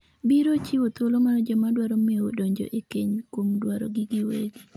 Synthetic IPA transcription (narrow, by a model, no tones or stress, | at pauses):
biɾot͡ʃiwot̪olomanɔd͡ʒɔmadwaɾɔmiwo̰doɲd͡ʒo̰ʔekeɲkomdwaɾɔ̰ɡɪɡɪwḛɡi